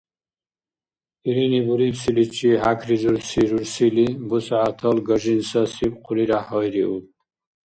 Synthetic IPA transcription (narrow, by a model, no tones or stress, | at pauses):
iɾinibuɾibsilit͡ʃʰiɦakʰɾizuɾsiɾuɾsilibusʕat̪ʰɔlɡəʒinsasib̚qʰuliɾahɔjɾiu